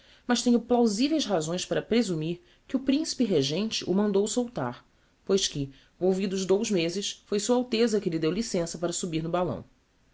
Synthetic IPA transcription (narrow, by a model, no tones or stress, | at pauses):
mɐʃt̪ẽɲʊplawzivejsɦazõj̃spaɾɐpɾezumiɾ | kɪʊpɾĩsi̥pɪɦeʒẽnt͡ʃɪʔʊmɐ̃nd̪owsowt̪a̰χ | pojʃkɪ | vowvid̪ʊʊʒd̪owzmezɪsfojsuɐawt̪ezɐkɪlɪd̪ewlisẽsɐpaɾɐsubiɾnʊbalɐ̰̃w̃